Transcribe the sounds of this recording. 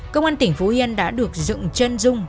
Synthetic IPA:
kə˧wŋ͡mʔaː˧nt̪ï˧˩ŋ̟fo˨˦hi˧ə˧nɗa̰ː˧˥ɗɨ˨˩ək̚zɨ̰˧˨ŋt͡ɕə˧nzʊ˧ŋ͡m

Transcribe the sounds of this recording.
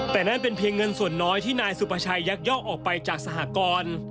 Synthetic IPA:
t̪ɛː˨˩na˥˩npe˧npʰi˧əŋːɤ˧nsu˨˩ənːɔː˦˥jt̪ʰiː˥˩naː˧jsu˨˩pʰa˧t͡ɕʰa˧jːa˦˥k̚jɔː˥˩ʔʔɔː˨˩k̚pa˧jt͡ɕaː˨˩k̚sa˧ɦaː˩˥kɔː˧n

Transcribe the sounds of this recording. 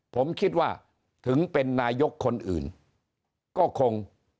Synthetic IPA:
pʰo˩˦mkʰi˦˥t̪̚waː˥˩ | t̪ʰɯ˩˦ŋpe˧nːaː˧jo˦˥kʰːo˧nʔɯ̰ː˨˩n | kɔː˥˩kʰo˧ŋ

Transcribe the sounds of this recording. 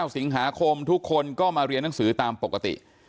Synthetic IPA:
a˥˩wsi˩˦ŋɦaː˩˦kʰo˧mt̪ʰu˦˥kʰːo˧nkɔː˥˩maː˧ɾi˧ənːa˩˦ŋsɯː˩˦t̪aː˧mpo˨˩kːa˧t̪ḭ˨˩ʔ

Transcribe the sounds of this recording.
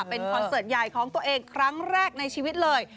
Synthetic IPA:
pe˧nkʰɔː˧sɤː˨˩t̪̚ja˨˩jkʰɔː˩˦ŋt̪u˧əʔeː˧ŋkʰɾa˦˥ŋɾɛː˥˩k̚na˧jt͡ɕʰiː˧wi˦˥t̪̚lɤː˧j

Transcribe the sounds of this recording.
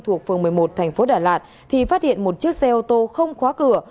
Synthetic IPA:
t̪ʰu˨˩ək̚fɨ˨əŋmɨ˨˩əjmo˨˩t̚t̪ʰa˨˩jŋ̟fo˨˦ɗaː˧˩laː˨˩t̚ | t̪ʰi˨˩faː˦˥t̚hḭ˧˨ənmo˨˩t̚t͡ɕɨ˦˥ək̚sɛ˧ʔo˧t̪o˧xə˧wŋ͡mxwaː˨˦kɨ˨˧˩ə

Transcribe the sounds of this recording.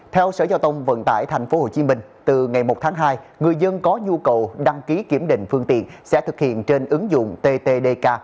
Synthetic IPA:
t̪ʰɛ˧wsə̰ː˧˩zaː˧wt̪ə˧wŋ͡mvə̰˧˨nt̪a̰ː˧˩jt̪ʰa˨˩jŋ̟fo˨˦ho̰˧˨t͡ɕi˨˦mï˧ŋ̟t̪ɨ˨˩ŋa˨˩jmo˨˩t̚t̪ʰaː˨˦ŋɦaː˧jŋɨ˨˩əjzə˧nkɔ˨˦ɲu˧kə˨˩wɗa˧ŋki˨˦ki˧˩əmɗḭ̈˧˨ŋ̟fɨ˧əŋt̪ḭ˧˨ənsɛ̰˧˥t̪ʰɨ˨˩k̚hḭ˧˨ənt͡ɕe˧nʔɨ˨˦ŋzʊ̰˧˨ŋ͡mt̪e˧t̪e˧ɗe˧kaː˧

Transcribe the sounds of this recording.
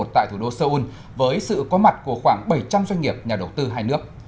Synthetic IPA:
o˨˩t̚t̪a̰˧˨jt̪ʰu˧˩ɗo˧səː˧ʔu˧n | vəː˨˦jsɨ̰˧˨kɔ˨˦ma˨˩t̚ku˧˩əxwaː˧˩ŋɓə˧˩jt͡ɕa˧mzwa˧ŋ̟ŋi˨˩əp̚ɲaː˨˩ɗə˨˩wt̪ɨ˧ɦaː˧jnɨ˦˥ək̚

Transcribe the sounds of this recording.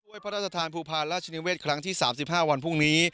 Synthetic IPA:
əjpʰa˦˥ɾaː˥˩t̪ʰːa˧t̪ʰaː˧npʰuː˧pʰaː˧nɾaː˥˩t͡ɕʰa˧niː˧˥weː˥˩t̪̚kʰɾa˦˥ŋt̪ʰiː˥˩saː˩˦msi˨˩p̚ɦaː˥˩wa˧npʰu˥˩ŋniː˦˥

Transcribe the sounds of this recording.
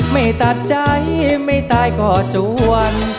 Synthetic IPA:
ma˥˩jt̪a˨˧˩t̪̚t͡ɕaː˧˥˩ma˥˩jt̪aː˧jkɔː˨˩t͡ɕuː˨˧˦ə˧n

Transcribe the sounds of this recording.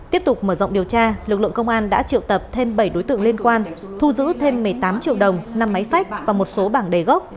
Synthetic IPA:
t̪i˦˥əp̚t̪ʊ˨˩k͡p̚məː˧˩zə̰˧˨ŋ͡mɗi˨˩əwt͡ɕaː˧lɨ˨˩k̚lɨ̰˧˨əŋkə˧wŋ͡mʔaː˧nɗa̰ː˧˥t͡ɕḭ˧˨wt̪ə˨˩p̚t̪ʰe˧mɓə˧˩jɗo˨˦jt̪ɨ̰˧˨əŋli˧ənkwaː˧nt̪ʰu˧zɨ̰˧˥t̪ʰe˧mː˨˩əjt̪aː˨˦mt͡ɕḭ˧əwɗə˨˩wŋ͡mna˧mːa˨˦jfa˦˥jk̟̚vaː˨˩mo˨˩t̚so˨˦ɓaː˧˩nɗe˨˩ɣɔ˦˥k͡p̚

